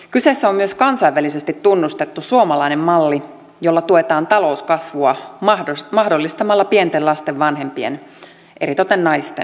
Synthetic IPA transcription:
kysesːæommyøskɑnsɑijʋːælisest̪it̪ːunːust̪et̪ːusuomɑlɑinemmɑlːi | jo̞lːɑt̪uet̪ɑːnt̪ɑlo̞uskɑsʋuɑɑomɑhdolːist̪ɑmɑlːɑpie̞nt̪elɑst̪eʋːɑnɦe̞mpiḛn | ʔe̞ɾit̪ot̪ennɑjst̪en

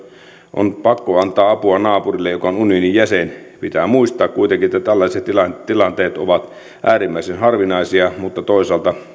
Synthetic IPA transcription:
ʔo̰npɑkːoɑnt̪ˑɑːɑpuɑnɑːpurilːejokɑonunionijjæsenpit̪æːmuist̪ɑːkkuit̪eŋkiet̪ːæt̪ælːɑˑiset̪ilɑt̪ilɑnt̪eːt̪o̰ʋɑt̪ | ʔæːrimːæˑisenhɑrʋinɑˑisiɑmut̪ːɑt̪oˑisɑlt̪ɑ

